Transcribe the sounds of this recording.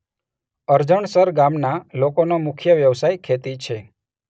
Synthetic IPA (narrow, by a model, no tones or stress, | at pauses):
əɾd͡ʒəɳsəɾɡamnalokonomʊkʰjəʋjəʋsajkʰet̪it͡ʃʰe